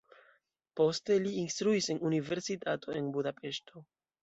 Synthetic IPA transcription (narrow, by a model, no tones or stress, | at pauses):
po̞ste̞liːnstɾuise̞nunive̞ɾsitatʰo̞e̞nbudape̞ʃto̞